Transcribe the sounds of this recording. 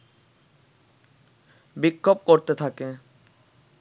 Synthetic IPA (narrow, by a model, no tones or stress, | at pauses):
bikʰːob̚koɾt̪et̪ʰake